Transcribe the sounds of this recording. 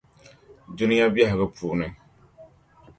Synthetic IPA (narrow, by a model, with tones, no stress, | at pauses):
du˦nɪ˦ja˦bi˦ɛ˦ɦɪ˨ɣɨ˦pʰuː˨nɨ˦